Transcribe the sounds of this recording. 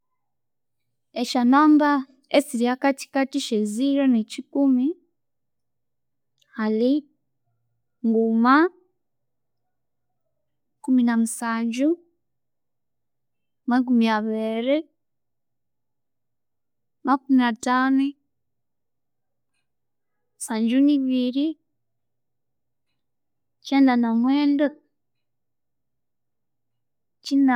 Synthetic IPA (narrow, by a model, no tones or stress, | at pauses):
eʃanaːmba | esiɾiakati̥katiʃeziɾanecikumi | hali | ŋɡuma | kuminamusaɟu | mak̬umiaβeɾe | makuminatanu | saɲd͡ʒuniβiɾi | t͡ʃɛndanamweːndo | t͡ʃina